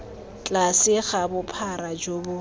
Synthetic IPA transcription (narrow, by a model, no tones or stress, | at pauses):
t͡ɬʼasɪχabʊpʰaɾad͡ʒobʊ